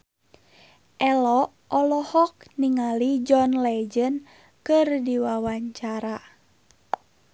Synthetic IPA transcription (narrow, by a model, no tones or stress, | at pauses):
ʔɛlɔʔɔlɔhɔk̚niŋalid͡ʒɔnlɛd͡ʒən | kɨrdiwawaɲt͡ʃaɾa